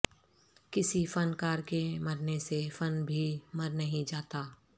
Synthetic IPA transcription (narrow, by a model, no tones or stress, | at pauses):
kɪsifɐnkaːɾkemɐɾnesefɐnbʱimɐɾnɐɦĩd͡ʒaːt̪aː